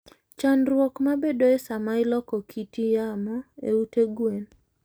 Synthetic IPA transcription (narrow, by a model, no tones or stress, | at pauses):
t͡ʃanrwɔkmabedoesamaɪlɔkɔkʰitijamɔḛuteɡwen